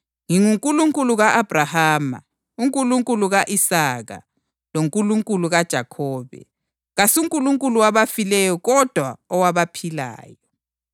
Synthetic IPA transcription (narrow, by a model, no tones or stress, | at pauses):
ŋiŋuŋkʼuluŋkʼuluɣaʔab̥ʱrahaːma̰ | uŋkʼuluŋkʼuluɣaʔisaːɣa̰ | loŋkʼuluŋkʼuluɣad̥ʒ̥ʱakʰɔːβɛ̰ | ɣasuŋkʼuluŋkʼuluwaβafilɛjɔɣɔd̥ʱwaɔwaβapʰila̰ːjɔ